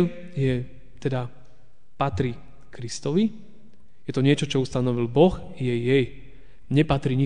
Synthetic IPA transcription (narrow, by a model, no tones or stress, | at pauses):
jɛ | t̪ɛd̪a | pat̪ɾi | kɾist̪ɔʋi | jɛt̪ɔɲɪɛt͡ʃɔt͡ʃɔust̪anɔʋilbɔx | jɛjɛj | ɲɛpat̪ɾiɲi